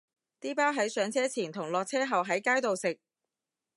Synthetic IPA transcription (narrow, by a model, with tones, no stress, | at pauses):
t̪iː˥paː˥wɦɐ˨˥jsœː˨˧˥ŋt͡sʰɛː˥t͡sʰiː˨˩nt̪ʰʊ˨˩ŋlɔː˨k̚t͡sʰɛː˥ɦɐ˨wɦɐ˨˥jkaː˥jt̪o˨wsɪ˨k̚